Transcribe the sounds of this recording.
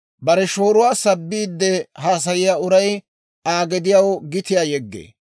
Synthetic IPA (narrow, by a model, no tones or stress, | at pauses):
bɐɾɛʃoːɾʊwaːsɐbːiːd̪ːɛhaːs̬ɐjɪjaːʊɾɐj | aːɡɛd̪ɪjɐwɡɪt̪ɪjaːjɛɡːḛː